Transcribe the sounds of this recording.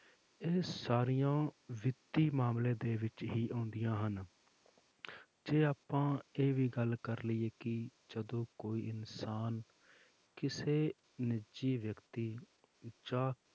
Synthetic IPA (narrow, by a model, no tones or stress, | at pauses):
eːsaːɾijãːʋɪt̪ːiːmaːmlẽːd̪eːʋɪt͡ʃɦiːʔõːnd̪ɪjãːɦən | d͡ʒeːaːpãːeːʋiːɡəlkəɾliːeːkɪd͡ʒəd̪õːkoːiːɪnsaːn | kɪseː | nɪd͡ʒiːʋjəkt̪iː | d͡ʒaː